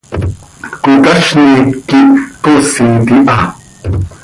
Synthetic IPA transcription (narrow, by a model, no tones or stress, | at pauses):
kut̪aʃnikikoʔsit̪iʔa